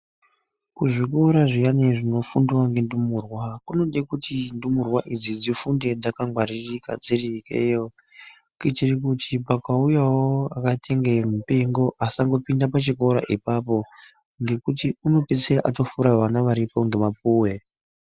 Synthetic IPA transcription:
kuʐiko̞ɾaʐijaneʐino̞funduwaŋɡe̞ndumuːrwakuno̞ɗekutindumurwaʔid͡zid͡zifunde̞d͡zakaŋɡwaɾirika̰d͡zirikḛjo | kitirikutipakaujawoakatʰe̞ŋɡemupe̞ŋɡo̞ʔasaŋɡo̞pindapat͡ʃiko̞ɾa̰ʔipapo̞ | ŋɡe̞kutiuno̞pe̞t͡seɾaʔato̞fuɾaʋanaʋaɾipo̞ŋɡe̞map̚uːwe

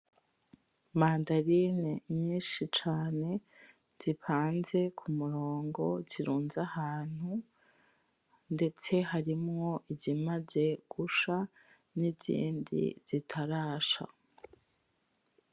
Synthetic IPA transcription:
maːndaɾineɲiːnʃit͡ʃaːne̞ | z̥ipaːnze̞kʰumuɾoːŋɡo̞ziɾuːnzahaːn̥hu | nde̞t͡se̞haɾimŋo̞ʔizimaze̞ɡ̥uʃa | nizḭːndḭz̥itʰaɾaːʃa̰

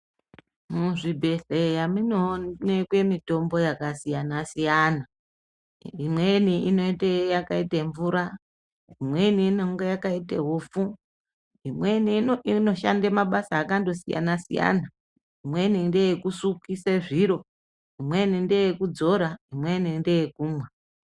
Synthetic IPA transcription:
muʐibʱe̞ɬejaminonekwe̞mito̞mbo̞jakasijanasijana | imwe̞niino̞itejakaiteɱvuɾa | imwe̞niːneŋɡejakaitḛɦofu | imweniino̞ʃa̰ndemaɓasaːkando̞sḭja̰nasḭja̰na | imwe̞nindejekusukise̞ʐiɾo̞ | imwe̞nindejekud͡zo̞ɾaimwe̞ninde̞jekuːmwa

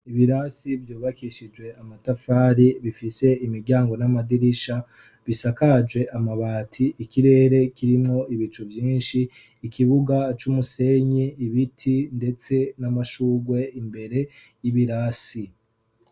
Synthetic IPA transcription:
iβiɾasivjuːβakiʃid͡ʒɡwe̞amatafaːɾiβifise̞imiɾɟaːŋɡo̞namadiɾiʃa | βisakad͡ʒwe̞ʔamaβaːtʰiʔikiɾe̞ːɾe̞kiɾimŋo̞ʔiβit͡ʃuvjiːnʃiː | kiβuɡat͡ʃumuse̞ɲiːβitʰinde̞t͡se̞namaʃuːɡwe̞imbe̞ɾe̞ | jiβiɾasi

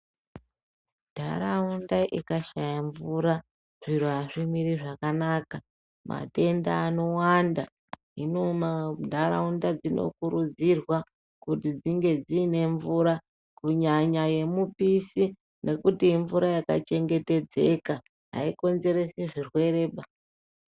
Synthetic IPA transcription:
d̥ʱaɾaundaʔikaʃajaɱvuɾa | ʐ̥iɾuaʐimiɾiʐakanaːka | ma̰te̞nda̰ːno̞wanda | inomadʱaɾa̰undad͡zino̞̰kuɾud͡zirwa | kutid͡ziŋɡe̞d͡ziːne̞ɱvuɾa | kuɲaɲaje̞mupisi | nʔe̞kutiɱvuɾajaka̰t͡ʃe̞ŋɡe̞te̞d͡ze̞ka | ɦa̰iko̞nze̞ɾe̞siʐirwe̞ɾe̞ːɓa

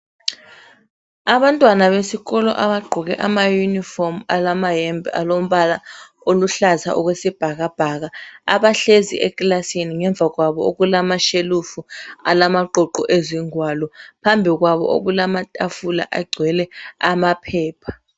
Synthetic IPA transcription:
aɓantʼwanaβesikɔlɔ̰ʔaɓaɡ͡ǃʱɔk̬ɛ̰ʔamajunifɔrmalamaɦembʱia̰lom̩ɓala | oluɬaza̰ʔɔk̬wesib̥ʱaɣ̬ab̥ʱaɣaa̰ɓaɬezḭʔɛklasiniŋɛɱb̪vʱak̬waɓɔo̰kulamaʃelufualamaǃʱɔǃɔʔeziŋwalɔpʰambʱik̬waɓɔ̰ʔo̰k̬ulamatʼafula̰ʔaɡ͡ǀʱwɛlɛamapʰɛːpʰḁ

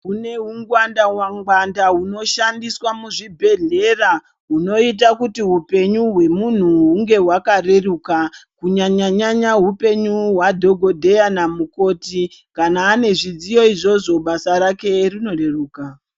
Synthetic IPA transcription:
ɦune̞ɦuŋɡwandawaŋɡwandaɦuno̞ʃandiswamuʐibʱe̞ɮe̞ra | ɦuno̞it̬akutiɦupe̞ɲuɦwe̞mun̤uɦuŋɡe̞ɦwakare̞rukakuɲaɲaɲaɲaɦupe̞ɲuɦwadʱo̞ɡʱo̞dʱe̞janamuko̞tikanaːne̞ʐid͡zijo̞iʐo̞ʐo̞ɓasaɾake̞rino̞re̞ruːka

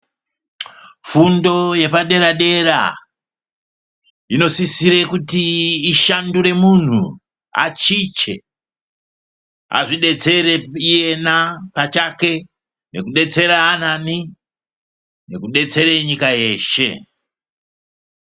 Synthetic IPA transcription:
fundo̞je̞paɗe̞ɾaɗe̞ɾa̰ | ino̞sisiɾekutiːʃanduɾe̞mun̤u | a̰t͡ʃit͡ʃe̞̰ | a̰ʐiɗet͡sereije̞napat͡ʃake̞ | ne̞kuɗe̞t͡se̞ɾaːn̤ani | ne̞kuɗe̞t͡se̞ɾeɲikaje̞ːʃe̞̰

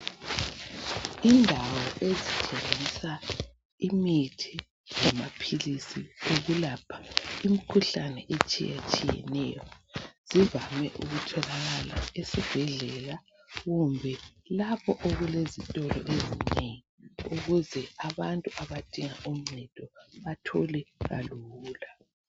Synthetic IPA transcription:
indʱawɔʔezit͡ʃʼeŋŋisa | imitʰi | zamapʰilisioɣulapʰḁim̩kʰuɬanɛʔet͡ʃʼḭjḛt͡ʃʼijɛ̰nɛ̰jɔz̥ivamɛʔuɣutʰɔlaɣala̰esiv̥ɛɮɛla | ɣumbʱɛlapʰɔʔoɣulezitʼɔlɔ̰ʔezineŋiuɣuzɛaβantʼuʔaβad̥ʱʼiŋaʔum̩ŋ͡ǀɛtʼɔβatʰɔlɛɣa̰luːla

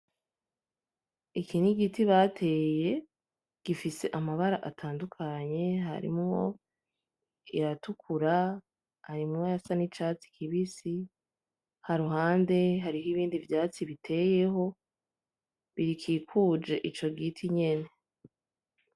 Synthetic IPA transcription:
ikiniɡitiβatʰe̞ːje̞ | ɡ̥ifise̞ʔamaβaɾaʔatʰaːndukʰaɲe̞ɦa̰ɾḭmŋo̞̰ | jatukʰuɾa | haɾimŋojasanit͡ʃat͡si̥kʰiβisi | haɾuɦaːnde̞ɦaɾiɦoiβiːndivjaːt͡siβitʰe̞je̞ɦo̞ | βiɾikʰiːkʰuːd͡ʒe̞ʔit͡ʃo̞ɡitʰiɲe̞ne̞

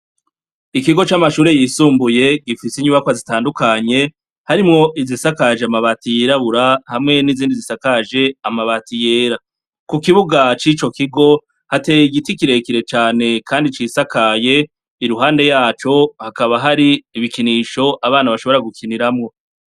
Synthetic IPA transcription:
ikiɡo̞t͡ʃamaʃuːɾe̞jiːsuːmbuje̞ɡifisiɲuːβakwazitaːndukaɲe̞ | haɾimŋo̞ʔizisakaʒeamaβaːtijiɾaβuɾahamŋe̞niziːndizisakaʒe̞amaβatije̞ːɾa | kukiβuɡat͡ʃit͡ʃo̞kiɡo̞ | hate̞ːjiɡitikiɾe̞kiɾe̞t͡ʃaːne̞kʰaːndit͡ʃisakaje̞ | iɾuɦaːnde̞jaːt͡ʃo̞hakaβaɦaɾiːβikiniʃo̞ʔaβaːnaβaʃoβo̞ɾaɡukʰiniɾamŋo̞

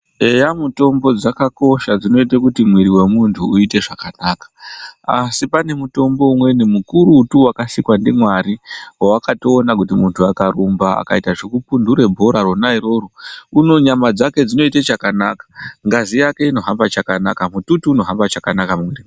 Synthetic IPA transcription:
e̞jamuto̞mbo̞d͡zakako̞ʃad͡zino̞itekutimwiɾiwe̞muntʰuːite̞ʐakanakḁasipane̞muto̞mbo̞umwe̞nemukuɾuːtuwakasikwandemwaɾiwawakato̞ːnak̬utimuntʰuakarumbaa̰kaitaʐikupunduɾe̞bʱoɾaronaiɾo̞ːɾuuno̞ɲamad͡zake̞d͡zino̞itet͡ʃakanakḁŋɡazijake̞ino̞ɦambat͡ʃakana̰kamututuːno̞ɦambat͡ʃakanakamwiɾi

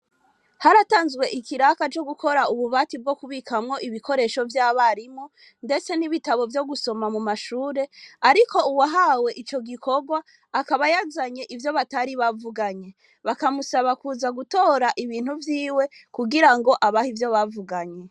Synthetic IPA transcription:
haɾataːnzɡwe̞ʔikiɾakat͡ʃo̞ɡukʰo̞ɾauβuβatib̚ɡo̞kuβikʰamŋo̞ʔiβiko̞ɾe̞ʃo̞vjaːβaɾimu | nde̞t͡se̞niβitaβo̞vjo̞ɡuso̞mamumaʃuːɾe̞aɾiko̞uwaɦawe̞ʔit͡ʃo̞ɡikʰo̞ɡwaː | kaβajazaɲe̞ʔivjo̞βataɾiβavuɡaɲe̞ | βakamusaβakuːzaɡuto̞ːɾaʔiβiːn̥huvjiːwe̞kuɡiɾaŋɡo̞ʔaβahivjo̞βavuɡaɲe̞

